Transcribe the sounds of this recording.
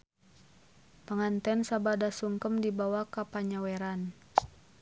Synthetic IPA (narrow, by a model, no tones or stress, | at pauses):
paŋant̪ɛnsabadasuŋkəmdibawakapaɲawɛɾan